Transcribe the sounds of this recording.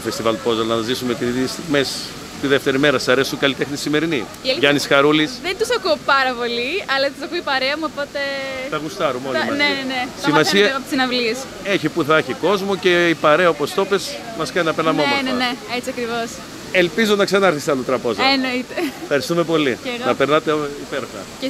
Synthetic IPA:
t̪ofest̪ivɐlpo̞zɐlnɐɐzisumet̪iðist̪iɣmes | t̪iðe̞ft̪e̞ɾime̞ɾɐsɐɾesukɐlit̪exnisime̞ɾini | ɐlʝɐnisxɐɾulisðent̪usɐkuopɐɾɐpo̞liɐlɐt̪usɐkuipɐɾeɐmuopo̞t̪e̞θɐɣust̪ɐɾumoimɐneenesimmɐsiɐɐt̪isinɐvlies | eçipuθɐçiko̞zmoce̞ipɐɾeɐopo̞st̪o̞pe̞s | mɐskɐninɐpeɾnɐmooneneet͡siɐkɾivo̞s | elpizonɐksɐnɐɐɾθisɐlot̪ɾɐpozɐenoit̪efxɐɾist̪ume̞po̞linɐpeɾnɐt̪eipeɾxɐ̰ | e

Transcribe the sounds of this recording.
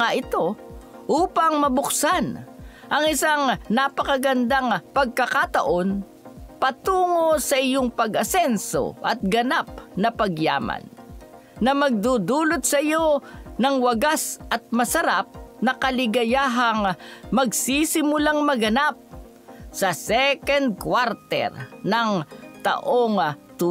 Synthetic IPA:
aʔɪt̪o̞ʔuːpɐŋmɐbʊksan | ʔɐŋɪsaŋnapɐkɐɡɐnd̪aŋpɐɡ̚kɐkat̪ɐʔo̞n | pɐt̪uːŋo̞sɐʔɪjoŋpɐɡɐsɛnso̰ʔɐ̰t̪̚ɡɐnap̚nɐpɐɡja̰ːma̰nː | ɐmɐɡ̚d̪ud̪uːlot̪̚sɐɪjonɐŋwɐɡasʔɐt̪̚mɐsɐɾap̚nɐkɐlɪɡɐjaːɦɐŋmɐɡsiːsɪmʊlaŋmɐɡɐnap̚ | sɐsɛkɛnd̪̚kwaɾt̪ɛ̰ɾnɐŋt̪ɐ̰ʔoŋt̪uː

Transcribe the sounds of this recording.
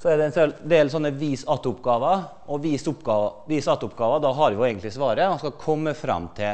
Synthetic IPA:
sɔæɖ̪ɛnsɛld̪eːlsɔnːəʋiːsɑt̪ːəʊpɡɑːʋə | ʔɔʋiːsʊpɡɑːʋəʋiːsɑt̪ːəʊpɡɑːʋəd̪ɑɦɑɾʋɪʊeːɡənt̪lɪsʋɑːɾəmɑnskɑkʰɔmːəfɾɑ̰mːt̪ʰɪl

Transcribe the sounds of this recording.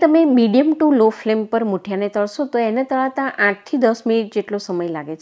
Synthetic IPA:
t̪əmemiɖijəmʈũloflempəɾmuʈʰjanet̪əɭʃot̪oenet̪əɭat̪ãʔãʈ̚t̪ʰid̪əsminiʈ̚d͡ʒeʈlosəməjlaɡet͡ʃʰ

